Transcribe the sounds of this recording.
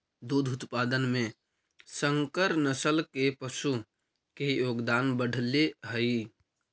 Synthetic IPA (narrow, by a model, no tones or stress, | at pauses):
d̪uːd̪ʱʊt̪paːd̪ənmẽ | sə̃ŋkəɾnəsəlkepəʃu | kejoːɡd̪aːnbəɽ̤leɦəi